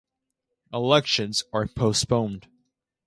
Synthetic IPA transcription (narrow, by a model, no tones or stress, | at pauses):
ʔəlɛkʃɨ̃nzəɹpʰoʊspõʊ̃nd̥